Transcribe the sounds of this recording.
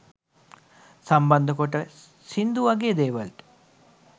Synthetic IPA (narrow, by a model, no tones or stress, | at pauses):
sɐmbɐnd̪ʱəkoʈə | sind̪uʋɐɡeːd̪eːʋɐlʈ